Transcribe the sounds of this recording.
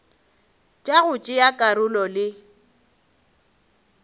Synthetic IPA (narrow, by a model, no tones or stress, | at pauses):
t͡ʃʼaɣʊt͡ʃʼɪjakʼaɾʊlɔlɪ